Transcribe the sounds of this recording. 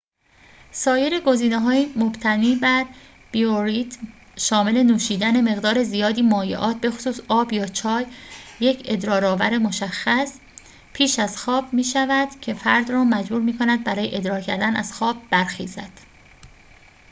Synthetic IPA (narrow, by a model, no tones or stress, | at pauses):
sɒːje̞ɾe̞ɡo̞ziːneɦɒːimobt̪ʰæniːbæɾ | b̥ioɾit̪ʰ | ʃɒːme̞le̞nuːʃiːd̪æne̞me̞ɣd̪ɒːɾe̞zijɒːd̪iːmɒːjḛʔɒːt̪̚ʰbe̞xo̥suːsɒːbjɒːt͡ʃʰɒːjːecʰe̞d̪ɾɒːɾɒːvæ̰ɾe̞moʃæxːæs | pʰiːʃæzxɒːb̥miːʃævæd̪̥cʰe̞fæɾd̪rɒːmæd͡ʒbuːɾmiːkʰo̞næd̪̚bæɾɒːje̞̰ʔed̪ɾɒːɾcʰæɾd̪ænæ̰z̥xɒːb̚ːæɾxiːzæd̪̥